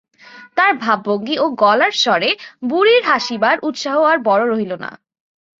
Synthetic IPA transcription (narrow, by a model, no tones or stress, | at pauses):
t̪aɾbʱabːoŋɡiʔoɡɔlaɾʃɔɾebuɾiɾɦaʃibaɾʔut̪ʃaɦoaɾbɔɾoɾoɦilona̰